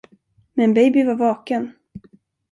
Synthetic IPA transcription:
mɛnbɛjbɪvaɾvɑːkən

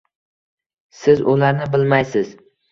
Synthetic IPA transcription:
sɪzʊlaɾnɪbɪlmajsɪz̥

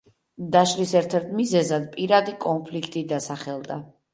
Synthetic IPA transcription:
d̪aʃlisɛɾt̪ʰɛɾt̪ʰmizɛzad̪̚pʼiɾad̪ikʼɔnpʰlikʰt̪ʼid̪asaχɛlˠd̪a

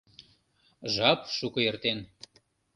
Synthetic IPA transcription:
ʒɑpʃukɤ̆jert̪en

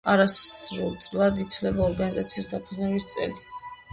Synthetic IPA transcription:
aɾasɾulˠt̪sʼlˠad̪it̪ʰvlɛbaɔɾɡanizat̪sʰiːsd̪apʰɛnɛvist̪sʼɛ̰li

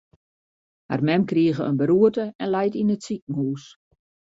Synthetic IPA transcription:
ha̰rmɛmkriəɣəə̰nbəɾuətəɛnlɛjtinətsik̚ŋ̩huːs

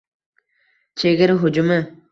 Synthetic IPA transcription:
t͡ʃʰeɡʲɪɾɦʊd͡ʒʊmɪ

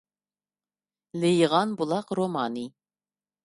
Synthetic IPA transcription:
lejʁɑnbulˠɑqɾomɑːni

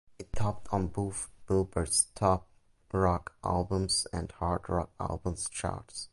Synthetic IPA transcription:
ɪtʰɔp̚tʰn̩bufb̥ɪlˠbə˞stʰɔp̚ | ɹɔkʔæ̰lˠbə̃mzɛ̰̃ndhɑɹdɹɔ̰k̚æ̰lˠbə̃mst͡ʃa̰ts

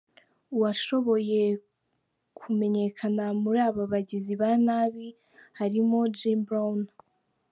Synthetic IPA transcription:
uwaʃo̞βo̞je̞ | kʰume̞ɲe̞kʰanamuɾaːβaβaɟiziβanaːβi | haɾimo̞d͡ʒimbɾan

